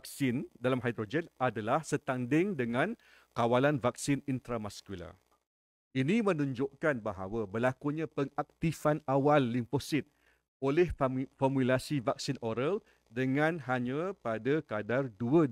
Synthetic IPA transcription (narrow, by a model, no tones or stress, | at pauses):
k̚sɪndalamɦajd̪ɾod͡ʒɛnadalahsət̪andɪŋdəŋãn | kawalanvak̚sɪnint̪ɾamaskula̰ | inimə̃nuɲd͡ʒoʔkanbaɦa̰wabəlakuɲãpəŋak̚t̪ifanawalːimposɪt̪̚ | olɛhfɔmulasivak̚sinʔoɾal | dəŋãnɦaɲãpadakadarduə